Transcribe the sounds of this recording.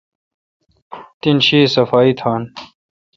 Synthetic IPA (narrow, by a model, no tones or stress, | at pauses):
t̪inɕiːsɐfaːit̪ʰaːn